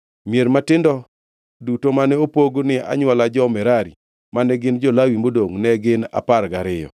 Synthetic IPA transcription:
mjeɾmatɪndɔ | dutomanɛopoɡonɪa̰ɲwalad͡ʒɔmɛɾaɾḭ | manɛɡɪnd͡ʒɔlawimodoŋnɛɡɪna̰parɡaɾɪjɔ̰

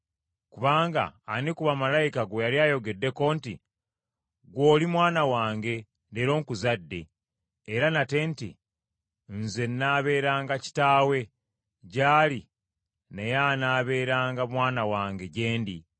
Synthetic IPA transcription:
kuβaːŋɡa̰ːnekuβamalajikaɡojaɾjaːjo̞ɡe̞dːe̞ko̞ːnti | ɡwo̞ːlimwaːnawaːŋɡe̞ | ndeɾo̞ːŋkuzadːe̞ː | ɾanate̞ntḭ | nze̞nːaːβe̞ːɾaːŋɡaci̥taːwe̞ | ɟaːli | nejanaːβe̞ːɾaːŋɡamwaːnawaːŋɡe̞ɟe̞ːndi

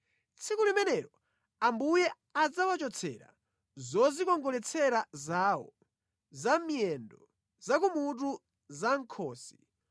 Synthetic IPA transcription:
t͡sʰikulimɛnɛɾɔ | ambujɛ | ad͡zawat͡ʃɔt͡sʰɛ̰ɾa̰ | zɔzikɔŋɡɔlɛt͡sʰɛɾazaːwɔ | zamjɛndɔ | zakumut̬u | zaŋkʰɔːsi̥

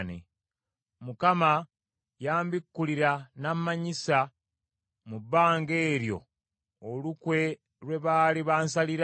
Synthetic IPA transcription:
nḛ | mukama | jaːmbikːuliɾanamːaɲisa | mubːaːŋɡe̞ːɾjo̞̰ː | lukwe̞ | ɾwe̞βaːliβaːns̬aliɾ

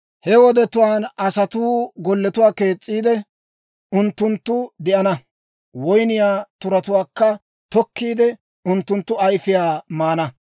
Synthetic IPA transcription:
hɛwɔd̪ɛt̪ʊwaːnɐsɐt̪uːɡɔlːɛt̪ʊwaːke̞ːt͡sʼːiːd̪ɛ | ʊnt̪ːʊnt̪ːʊd̪ɪʔɐnɐ | wɔjnɪjaːt̪ʊɾɐt̪ʊwaːkːɐ | t̪ɔkːiːd̪ɛ | ʊnt̪ːʊnt̪ːʊɐjfɪjaːmaːnɐ

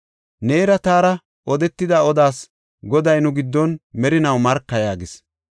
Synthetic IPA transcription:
neːɾɐt̪aːɾɐ | ʔɔd̪ɛt̪ːɪd̪ɐɔd̪aːs | ɡɔd̪ɐjnʊɡɪd̪ːɔnmɛɾɪnɐwmɐɾkːɐjaːɡɪs

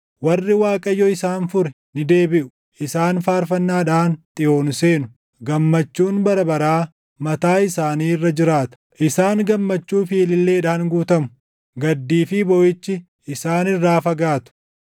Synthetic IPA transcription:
wɐrːɪwaːkʼɐjːɔɪsaːnfʊɾɛ | nɪd̪e̞ːbɪʔʊ̥ | ʔɪsaːnfaːɾfɐnːaːᶑaːnt̪ʼɪʔo̞ːnse̞ːnʊ | ɡɐmːɐt͡ʃːuːnbɐɾɐbɐɾaː | mɐt̪aːɪsaːniːrːɐd͡ʒɪɾaːt̪ɐ̥ʔɪsaːŋɡɐmːɐt͡ʃːuːfiːlɪlːe̞ːᶑaːŋɡuːt̪ɐmʊ̥ | ɡɐd̪ːiːfɪbɔʔɪt͡ʃːɪ | ɪsaːnɪrːaːfɐɡaːt̪ʊ̥

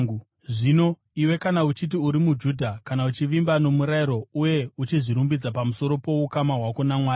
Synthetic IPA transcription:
ʐino̞ | iwe̞kanaut͡ʃit̬iuɾimud͡ʒuːdʱakanaut͡ʃiʋimbano̞muɾaiɾo̞uje̞ut͡ʃiʐiɾumbid͡zapamuso̞ɾo̞po̞ukamaɦwako̞namwaːj

